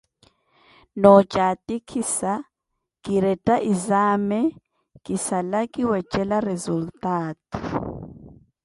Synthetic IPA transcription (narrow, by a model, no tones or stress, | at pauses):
nɔt͡ʃʼatʼikʰisa | kʼiɾɛtʼaʔizaːmɛ | kʼisalakʼiwɛt͡ʃʼɛlarezultʼaːtʼu̥